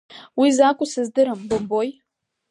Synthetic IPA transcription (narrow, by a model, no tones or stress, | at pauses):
wizakʷʼʊsɨzdɨɾambomboj